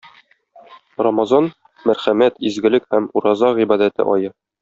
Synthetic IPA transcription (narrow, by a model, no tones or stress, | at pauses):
rɒmɑzɑn | mæɾχæmæt̪izɡɘ̆lɘkhæmuɾɑzɑʁibɑd̪æt̪ɘ̰ʔɒjɤ